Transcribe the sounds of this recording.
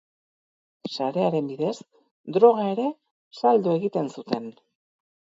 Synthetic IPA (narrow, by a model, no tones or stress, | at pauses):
saɾe̞aɾe̞mbiðe̞s | d̪ɾo̞ɣ̞ae̞ɾe̞ | sald̪ue̞ɣit̪e̞nsut̪e̞n